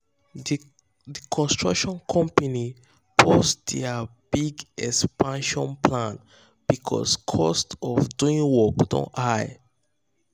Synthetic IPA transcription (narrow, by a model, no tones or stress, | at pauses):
dikʰɔ̃nstɹa̰kʃɔ̃nkʰɔ̃mpani | pʰosdɛabiɡɛkspãnʃɔ̃npʰlãn | b̥ikʰɔ̰skʰɔstɔfduĩŋwɔkdõ̰naj